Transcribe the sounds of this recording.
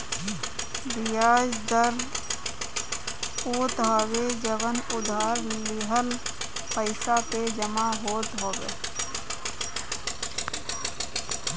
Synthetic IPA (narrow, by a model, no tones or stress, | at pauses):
bɪjaːd͡ʒd̪əɾ | oːt̪aːʋed͡ʒəʋənʊd̪ʱaːɾlɪɦəl | pəɪsat̪ed͡ʒəmaɦoːt̪ɦoːʋḛː